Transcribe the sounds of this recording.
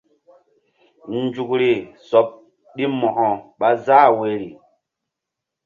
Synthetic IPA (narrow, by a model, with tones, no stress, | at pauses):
n˦d͡ʒu˨kɾi˨sɔ˨p̚ | ɗi˦mɔ˨ʔɔ˨ɓa˦za˦˨we˨ɾi˨